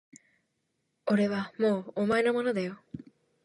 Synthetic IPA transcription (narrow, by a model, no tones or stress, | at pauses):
o̞ɾe̞βamoːmaeno̞mo̞nod̪ajo